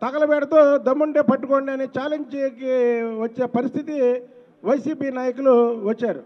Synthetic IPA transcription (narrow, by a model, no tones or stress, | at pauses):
t̪ɐɡɐlɐbɛːɽɐt̪oːd̪ɐmːuɳɖeːpɐʈːukoːɳɖiɐnit͡ʃaːleɲd͡ʒikiʋɐt͡ʃːeːpɐɾist̪ʰit̪i | ʋɐjsiːpiːnaːjɐkuluʋɐt͡ʃːaːɾu